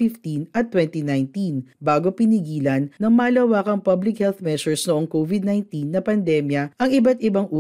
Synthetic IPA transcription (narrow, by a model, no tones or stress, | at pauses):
ɪft̪inʔɐt̪ːwɛnt̪inajnt̪inbaːɡopɪniɡiːlɐnːɐŋmaːlɐwaːkɐŋpɐblɪkhɛlθmɛsʊɹsnoʔoŋkovɪd̪najnt̪inːɐpɐnd̪ɛmjɐʔɐŋɪbat̪ʔɪbɐŋʔuː